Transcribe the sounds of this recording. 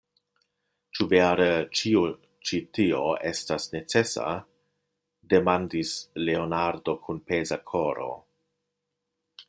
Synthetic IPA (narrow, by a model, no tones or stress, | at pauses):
t͡ʃuveɾət͡ʃiu | t͡ʃitioestasne̞t͡se̞sa̰ | de̞mandisleonaɾdo̞kʰunpezakʰo̞ɾo̞̰